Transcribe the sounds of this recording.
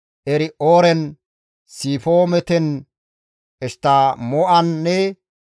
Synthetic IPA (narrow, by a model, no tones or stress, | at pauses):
ʔɛɾɪʔoːɾɛn | siːfoːmɛt̪ɛn | ɛst̪ːamoʔɐnːɛ